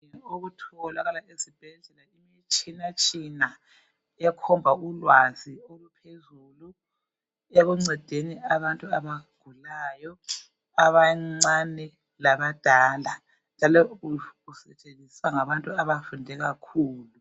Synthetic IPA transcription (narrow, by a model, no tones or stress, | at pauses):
oɣutʰɔɣɔlaɣalaezib̥ʱɛɮɛlaimit͡ʃʼinat͡ʃʼina | ɛkʰɔmbʱaulwaziolupʰezulu | eɣuŋ͡ǀɛd̥ʱeniaβantʼuaβaɡ̥ʱulaːjɔ | aβaŋ͡ǀanɛ | laβad̥ʱaːla | nd͡ʒʒʱalɔuɣusɛt͡ʃʼenʱisaŋaβantʼuaβafundʱɛɣakʰuːlu